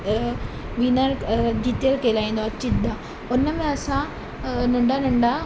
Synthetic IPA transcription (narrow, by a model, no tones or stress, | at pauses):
ʋiːnəɾd̪iːt̪jəɾkeːlaːĩːn̆d̪oɐt͡ɕid̪ã | ʊnəmẽɐsã | nɐ̃ɳɖanɐ̃ɳɖa